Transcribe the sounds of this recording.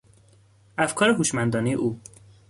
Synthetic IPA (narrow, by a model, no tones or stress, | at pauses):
æfkʰɒːɾeɡuːʃmænd̪ɒːnijeʔuː